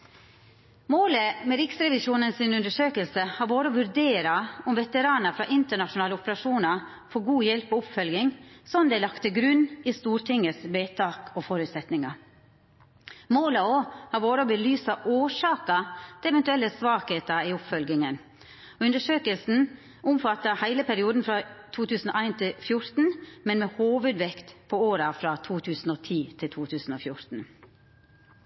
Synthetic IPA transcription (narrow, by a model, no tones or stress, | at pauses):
moːləmɛɾɪksɾɛʋɪʃuːnənsɪnʉnd̪əʂøːkəlsəhɑːɾʋoːɾəɔʋʉɾd̪eːɾɑʊmʋɛt̪əɾɑːnɑfɾɑːʔɪnt̪əɳɑʂʊnɑːləʊpəɾɑʂuːnɑ | fɔːɡuːjɛlpɔʊpfœlɡɪŋsɔnd̪ɛɪlɑkt̪əɡɾʉnːist̪uːɾʈʰɪŋːəsʋeːt̪ʰɑːkɔfɔɾʉːt̪sɛt̪nɪŋɑ | moːləoːhɑɾʋoːɾəɔbəlyːsɑʔoːʂɑːkət̪ʰɪɛʋɛnt̪ʉɛlːəsʋɑːkheːt̪ɑɪʊpfœlɡɪŋən | ɔʉnd̪əʂøːkəlsn̩ | ʊmfɑt̪ːəhæɪləpʰæɾɪuːd̪n̩fɾɑt̪ʰuːt̪ʰʉːsn̩o̰ːæɪnt̪ʰɪlfjʊɾt̪n̩mɛnmɛːhoːʋʉd̪ʋɛkt̪pʰɔoːɾəfɾɑt̪ʰuːt̪ʰʉːsn̩oːt̪ʰiːt̪ʰɪlt̪ʰuːt̪ʰʉːsn̩oːfjʊɾt̪n̩